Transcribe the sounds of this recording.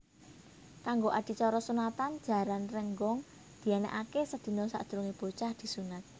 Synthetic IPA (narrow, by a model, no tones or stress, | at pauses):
kaŋɡoʔad̪̥i̤t͡ʃɔɾɔsunat̪and̥d͡ʒ̥a̤ɾanrəŋɡɔŋ | d̪̥i̤anɛ̰ʔakesəd̪̥i̤nɔsa̰ʔd̪̥̤ɾuŋeb̥o̤t͡ʃahd̪̥i̤sunat̪̚